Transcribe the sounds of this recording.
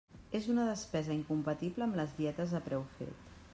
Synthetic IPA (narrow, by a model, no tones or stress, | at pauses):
ezunəðəspɛzəiŋkumpət̪ipləːmləzðiɛt̪əzðəpɾɛwfḛt̪